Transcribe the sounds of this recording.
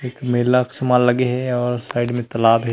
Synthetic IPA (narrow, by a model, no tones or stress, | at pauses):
eːkmɐɦɪlaɪksɐmaːlːɐɡeɦɛɔːɾsaːɪɖmẽt̪ɐlaːbɦɛ